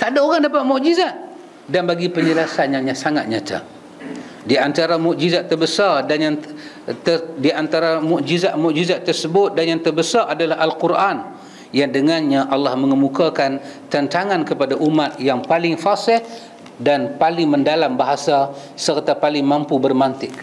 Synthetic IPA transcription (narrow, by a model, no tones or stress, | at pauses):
t̪adaoɾaŋdapat̪̚muʔd͡ʒizat̪̚ | danbaɡipəɲəlasanɲãɲasaŋat̪̚ɲat̪ʰa̰ | diant̪aɾamuʔd͡ʒizat̪ːərbəsardanjaŋ | ədiant̪aɾamuʔd͡ʒizat̪̚muʔd͡ʒizat̪ːərsəbʊt̪̚danjaŋt̪ərbəsarʔadalaɦalkuɾʔan | jaŋdəŋanɲaʔalːahməŋəmukakant̪ant̪aŋankəpadaʔumat̪̚jaŋpalɪŋfasɪh | danpalɪŋməndalambaɦasa | sərt̪apalɪŋmampubərmant̪ɪk̚